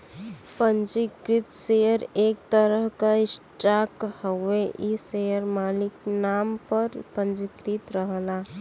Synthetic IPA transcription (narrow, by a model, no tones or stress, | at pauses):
pə̃nd͡ʒɪkɾɪt̪sejəɾeːk̚t̪əɾəɦkaɪsʈaːkhəeʔisejəɾmaːlɪknaːmpəɾpə̃nd͡ʒɪkɾɪt̪ɾəɦlaː